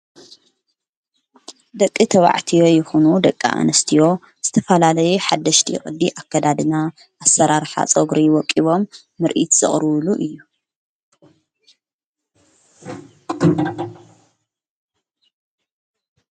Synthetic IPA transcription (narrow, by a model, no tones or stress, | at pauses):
d̪ɐkʼːit̪ʰɐβa̰ʕt̪ʰijo̞jɪxunud̪ɐkʼːa̰ʔa̰nɐst̪ʰijo̞ | z̥ɨt̪ʰɐfɐlalɐjuħad̪ːɐʃt̪ʰḭxʼɨd̪ːiʔakʰːɐd̪ad̪ɨna | ʔasɐɾaɾħa̰t͡sʼoɡɾiwɔkʼːiβo̞mː | ɨɾʔit̪z̥ɨ̰χʼɾɨβɨluʔɨjːu